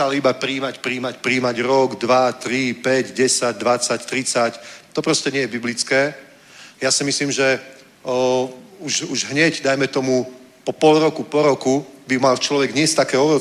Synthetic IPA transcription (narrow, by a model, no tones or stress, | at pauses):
alibapɾiːmacpɾiːmacpɾiːmaɟɾɔɡd̪ʋat̪ɾipɛɟɟɛsaɟ̚d̪ʋat͡sact̪ɾit͡sact̪ɔpɾɔscɛɲɪɛjɛbiblit͡skɛː | jasimisliːmʒɛ | uʒuʒɦɲɛɟd̪ajmɛt̪ɔmu | pɔpɔlɾɔkupɔɾɔkubimalt͡ʃlɔʋɛɡɲɪɛst̪akɛːɔɾɔ